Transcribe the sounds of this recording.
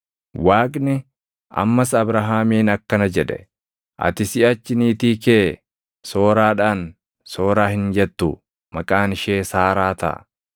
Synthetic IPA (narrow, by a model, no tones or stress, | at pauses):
waːkʼnɪ | ʔɐ̰mːɐsɐbɾɐɦaːmiːnɐkːɐnɐd͡ʒɛᶑɛ̥ | ʔɐ̰t̪ɪsɪɐt͡ʃːɪniːt̪iːkeː | so̞ːɾaːᶑaːn | so̞ːɾaːhɪnd͡ʒɛt̪ːʊ̰ | mɐkʼaːnɪʃeːsaːɾaːt̪ɐ̰